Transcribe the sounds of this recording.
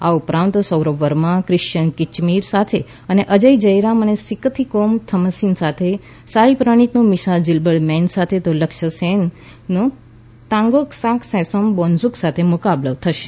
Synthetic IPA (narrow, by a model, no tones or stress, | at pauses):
aupɾãnt̪osəwɾəʋəɾmãkɾɪʃt͡ʃənkit͡ʃmiɾsat̪ʰe | əneʔəd͡ʒəjd͡ʒəjɾamənesikət̪ʰikomt̪ʰəməsinsat̪ʰe | saɾipɾəɽ̃it̪nũmiʃald͡ʒilbəɽmɛ̃nsat̪ʰet̪oləkʃəsenː | o | t̪ãŋɡoksãkʰsɛ̃sombonzuksat̪ʰemʊkabləʋt̪ʰəʃe̥